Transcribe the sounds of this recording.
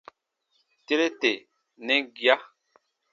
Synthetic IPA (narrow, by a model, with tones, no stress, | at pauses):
te˦ɾe˦te˨ | nẽ˦ɡja˦